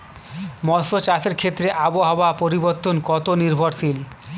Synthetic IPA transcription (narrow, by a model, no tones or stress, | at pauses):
mɔsot͡ɕaseɾkʰet̪ːɾeʔaboɦaoapoɾiboɾt̪ːonkɔt̪oniɾbʱoɾsil